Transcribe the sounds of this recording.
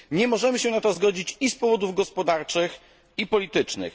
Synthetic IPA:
ɲɛmɔʐɛmɘɕɛnat̪ɔzɡɔd͡ʑit͡ɕispɔvɔd̪uvɡɔspɔd̪aɾt͡ʂɘx | ipɔlʲit̪ɘt͡ʂnɘ̰x

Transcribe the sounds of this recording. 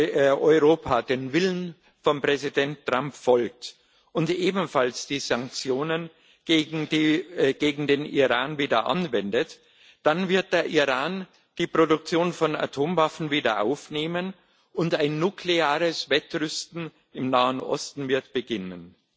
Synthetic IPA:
ʔɔʏʁoːpʰaːdeːnvɪlən | fɔmpʁ̥ɛzidɛntʰːʁ̥ampfɔlk̚t | ʔʊntʔeːbm̩falsd̥iːzaŋk̚t͡sjoːnən̩ː | ɡ̥eːɡŋ̩deːnʔḭʁaːnviːdɐʔa̰nvɛndət | d̥anvɪɐt̚d̥eːɐʔiʁaːn | d̥iːpʁ̥odʊk̚t͡sjoːnfɔna̰tʰoːmvafn̩viːdɐʔa̰ʊfneːmən | ʔʊntaɪnːukʰleaːʁəsvɛtʁʏstn̩ | ɪmnaːənʔɔ̰stn̩vɪɐtb̥əɡɪnən

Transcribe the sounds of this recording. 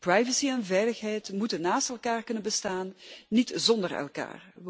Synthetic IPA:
prajvəsiɛnvɛjləxɦɛjtmutənːaːstɛlˠkaːrkɵnənbəstaːnːitzɔndərɛ̰lˠka̰ːr

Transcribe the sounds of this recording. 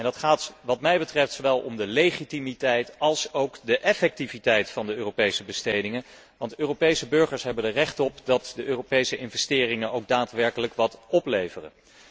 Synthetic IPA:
ɛndɑtχaːtʋɑtmɛjbətrɛftsoʋɛlˠɔ̰mdəlejχitimitɛjtɑlˠsowkdəʔɛfɛk̚tivitɛjtfɑndəøːropejsəbəstejdɪŋən | ʋɑntøːropejsəbɵɹχəɹsɦɛbəndərɛχtɔpdɑtdəʔøːropejsəʔɪnvɛstɪːrɪŋənowɡ̚daːtʋɛɹkələkʋɑtɔplejvərə̰n

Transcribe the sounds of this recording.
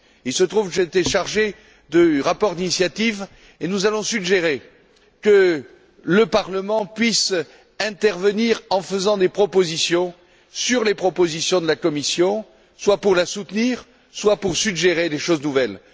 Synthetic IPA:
ilsət̪χuvkəʒet̪ɛʃaʁʒe | d̪əʁapɔʁd̪inisjat̪iv | enuzalɔ̃syɡʒeʁe | kə | ləpaʁləmɑ̃pɥis | ɛ̃t̪ɛʁvəniʁɑ̃fəzɑ̃d̪epχɔpozisjɔ̃ | syʁlepχɔpozisjɔ̃d̪əlakɔmisjɔ̃ | swapuʁlasut̪əniʁ | swapuʁsyɡʒeʁed̪eʃoznuvɛl

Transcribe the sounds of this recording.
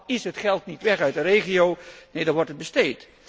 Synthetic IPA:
ɪsətχɛlˠtnitʋɛχœɥtdəreːχioːneːdɔɹʋɔrtət̚bəsteːt

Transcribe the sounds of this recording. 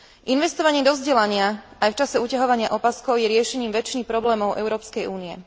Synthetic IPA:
ʔinʋɛst̪ɔʋaɲɪɛd̪ɔzɟɛlaɲɪaajft͡ʃasɛuːcaɦɔʋaɲɪaʔɔpaskɔʊjɛɾɪɛʃɛɲiːmʋɛt͡ʃinipɾɔblɛːmɔʊʔɛ̰ʊɾɔːpskɛjuːniɛ̰

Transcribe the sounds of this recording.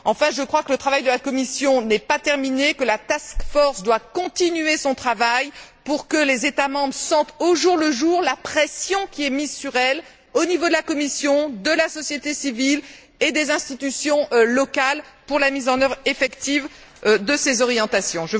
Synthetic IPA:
ɑ̃fɛ̃ʒəkχwakələt̪χavajd̪əlakɔmisjɔ̃nɛpat̪ɛʁminekəlat̪askfɔʁsd̪wakɔ̃t̪inyesɔ̃t̪χavajpuʁkəlezet̪amɑ̃bʁəsɑ̃t̪oʒuʁləʒuʁlapχɛsjɔ̃kʲiɛmizsyʁɛl | onivod̪əlakɔmisjɔ̃d̪əlasɔsjet̪esivil | ed̪ezɛ̃st̪it̪ysjɔ̃ʔlɔkalpuʁlamizɑ̃nœvʁefɛkt̪ivd̪əsezɔʁjɑ̃t̪asjɔ̃ʒə

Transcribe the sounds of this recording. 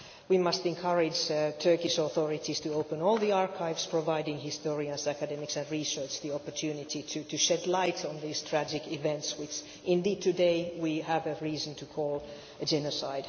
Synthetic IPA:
wimʌstɛ̃nkʰʌɹɪd͡ʒtʰɜ˞kɪʃɔθɔɹɪtiz̥tʰɨoʊpə̃nɔːlˠðiɑɹkʰaɪvspʰɹ̥ɔvaɪdɪ̃ŋhɪstɔɹiə̃nsækɨdɛmɪksɨ̃nɹisɜ˞t͡ʃðiɔpə˞tʰjʉːnɪtitʰɨtʰɨʃɛdlaɪtʰɔ̃nðiz̥tʰɹ̥æd͡ʒɪkɪvɛ̃ntswɪt͡ʃ | ɪ̃ndiːd̚tʰɨdeɪwiævəɹiːzə̃ntʰɨkʰɔːlˠ | əd͡ʒɛnɔsaɪd̥

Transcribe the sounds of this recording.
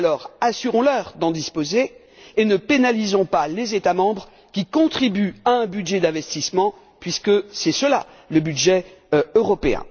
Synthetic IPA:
lɔʁasyʁɔ̃lœʁd̪ɑ̃d̪ispozeː | nəpenalizɔ̃palezet̪amɑ̃bʁ | kʲikɔ̃t̪χibyaɛ̃byd̪ʒɛd̪ɛ̃vɛst̪ismɑ̃ | pɥiskəsɛsəla̰ | ləbyd̪ʒɛ | øʁɔpeɛ̰̃

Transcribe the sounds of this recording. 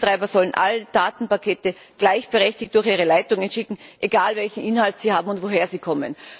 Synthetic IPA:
tʁ̥aɪbɐzɔlənʔa̰ləd̥aːtn̩pakʰeːtə | ɡ̥laɪçb̥əʁɛçtɪçt̚d̥ʊɐxiːʁəlaɪtʊŋənʃɪkŋ̩ʔeɡaːlvɛlçn̩ʔɪnhaltsiːhaːbm̩ʊntv̥oɦeːɐziːkʰɔmə̰n

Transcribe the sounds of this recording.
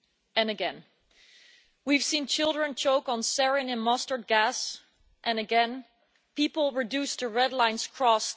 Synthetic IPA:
ɨ̃nɨɡɛ̃n | wiv̥sĩnt͡ʃʰɪlˠdɹɨ̃nt͡ʃʰoʊkn̩sɛɹɪ̃ŋɨ̃nmʌstə˞d̚ɡæs | ʔɨ̃nɨɡɛ̃n | pipl̩ˠɹɨdʉstʰɨɹɛdˡlãɪ̃nz̥kʰɹ̥ɔs

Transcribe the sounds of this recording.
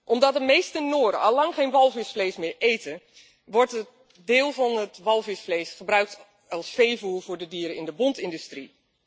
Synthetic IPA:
ʔɔmdɔt̚dəmejstənoːɾə̰ɑlːɑŋχeːnʋɑlˠvɪsflejsmɪːɹejtən | ʋɔrtə | dɪːlˠvɑnətʋɑlˠvɪsfleːsχəbrœɥk̚t | ɑlˠsfejvuːlvʊːɹdədiːɾəɪndəbɔntɪndystri

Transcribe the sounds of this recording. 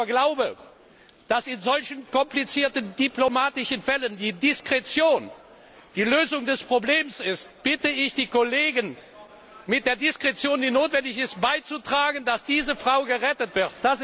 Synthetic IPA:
ɐɡlaʊbə | d̥asɪnzɔlçənkɔmplit͡siːɐtəndiplomaːtɪʃənfɛləndiːdɪskʁ̥ɛt͡sjoːn | d̥iːløːzʊŋdɛspʁ̥obleːmsɪst̚b̥ɪtəɪçd̥iːkoleːɡən | mɪt̚d̥eːɐdɪskʁ̥ɛt͡sjoːndiːnoːtv̥ɛndɪçɪst̚b̥aɪt͡sutʁ̥aːɡənd̥asd̥iːzəfʁ̥aʊɡəʁɛtətv̥ɪɐt̚d̥as

